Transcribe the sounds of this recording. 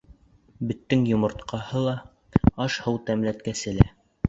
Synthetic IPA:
bɘ̆t̪ːɘŋjŏmŏɾt̪qɑhɤlˠɑ | ɑʃhɤwt̪æmlæt̪kæsɘ̆læ

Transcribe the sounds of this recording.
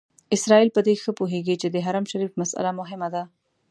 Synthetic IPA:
ɪsɾɑilpəd̪exəpoɦeɡit͡ʃed̪əɦaɾamʃaɾifmasa̰lamʊɦɪmad̪a

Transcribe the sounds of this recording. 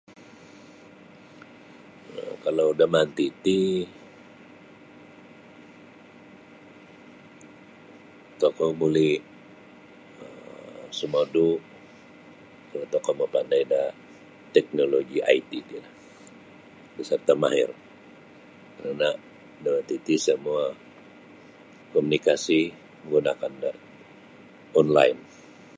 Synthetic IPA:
kalawdamant̪it̪i | t̪okɔmulɪ | əsəmɔdu | ət̪okɔməpandajda | t̪ɛk̚noloɡiʔa̰it̪idila | disərt̪ama̰ɦɪ̰r | kəɾana | daat̪it̪isəmua | komunikasi | məŋɡunakanda | ɔnla̰in

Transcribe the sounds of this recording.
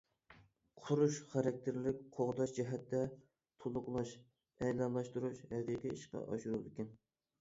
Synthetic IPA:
qʰʊɾuʃχɑɾɑk̚ʲt̪ʰɪɾlɪk̚ʲqʰoʁd̪ɑʃd͡ʒɛɦɛt̪ːɛ | t̪ʰolˠʊqlˠɑʃ | ɛjlɑnlˠɑʃt̪uɾuʃhɛqiqiiʃqɑ̰ʔɑ̰ʃuɾud̪ɪkʲɛn

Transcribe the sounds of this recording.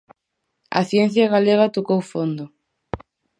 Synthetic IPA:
ɐ̰θjenθjaɣaleɣat̪okowfond̪o

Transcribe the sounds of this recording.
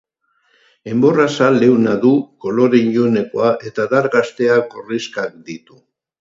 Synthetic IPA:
e̞mbo̞rasale̞wnaðuko̞lo̞ɾeiʎʎone̞ko̞aʔe̞t̪aðaɾɣast̪e̞ako̞riskak̚d̪it̪u

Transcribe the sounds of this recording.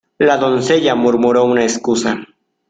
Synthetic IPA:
lad̪onseʎamʊɾmʊɾounaeskʊsa

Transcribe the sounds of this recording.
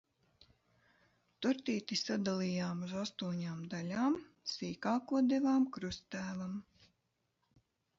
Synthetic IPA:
t̪uɾt̪iːt̪isad̪alˠijaːmuzast̪uɔɲaːmd̪alʲaːmsiːkaːkuɔd̪ɛvaːmkɾust̪æːvam

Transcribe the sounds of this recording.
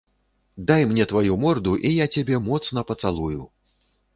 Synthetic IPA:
d̪ajmnʲɛt̪vajumɔrd̪uʔijat͡sʲabʲɛmɔt̪sn̪ɐpɐt̪salˠuju

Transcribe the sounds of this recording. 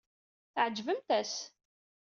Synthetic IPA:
θʕd͡ʒvəmt̪æs

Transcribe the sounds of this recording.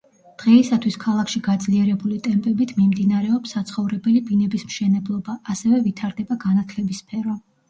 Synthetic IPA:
d̪̥ʁɛisat̪ʰwiskʰalˠakʰʃiɡad̪zliɛɾɛbulit̪ʼɛmpʼɛbit̪ʰmimd̪inaɾɛɔpsːat̪sʰχɔvɾɛbɛlibinɛbismʃɛnɛblˠɔbaːsɛvɛvit̪ʰaɾd̪ɛbaɡanat̪ʰlɛbisːpʰɛɾɔ

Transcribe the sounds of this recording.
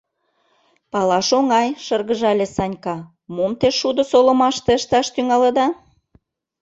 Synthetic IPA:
pɑlɑʃoŋɑjʃɤrɣə̆ʒɑlʲesɑnʲkɑ | momt̪eʃud̪ə̆solə̆mɑʃt̪ĕəʃt̪ɑʃt̪yŋɑlə̆d̪ɑ

